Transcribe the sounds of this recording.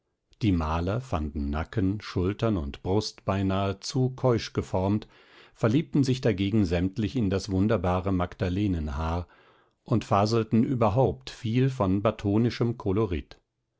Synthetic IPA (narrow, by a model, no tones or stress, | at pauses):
d̥iːmaːlɐfandn̩ːakənʃʊltɐnʊntb̥ʁʊstb̥aɪnaːət͡suːkʰɔʏʃɡ̥əfɔɐmt | fɛɐliːp̚tn̩zɪçd̥aɡeːɡŋ̩zɛmtlɪçɪndasv̥ʊndɐbaːʁəmakd̥aleːnənɦaːɐ | ʔʊntfaːzl̩tn̩ʔy̰ːbɐɦaʊptfiːlfɔnbatʰoːnɪʃəmkʰɔloʁɪt